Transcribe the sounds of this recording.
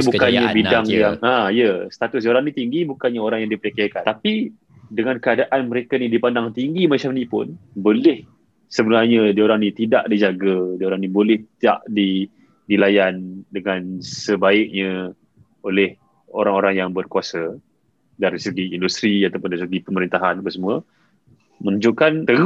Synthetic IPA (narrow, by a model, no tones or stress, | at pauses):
bukanɲabidaŋjaŋãijəsə̥t̪at̪ʊsdioɾaŋnit̪iŋɡibukanɲaoɾaŋjaŋdipɾikaakat̪api | dəŋankəadaʔanməɾekanidipandaŋt̪iŋɡimat͡ʃamnĩpʊ̰nbolɪh | səbənarɲədioɾaŋnit̪idaʔdid͡ʒaɡadiaoɾaŋnibolɛht̪ia̰ʔdi | nilajandəŋansəbaɪk̚ɲə̃ | olɛh | oɾaŋoɾaŋjaŋbərkuasə | daɾisəɡiːndust̪ɾiat̪apʊndaɾisəɡipəməɾint̪aɦanbəsəmuə | mənud͡ʒʊʔkant̪ə